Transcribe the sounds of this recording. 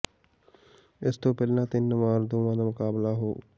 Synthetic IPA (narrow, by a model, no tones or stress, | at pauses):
ɪst̪õːpɛllãːt̪ɪnːmaːɾd̪uːmãːd̪aːmʊkaːblaːɦoː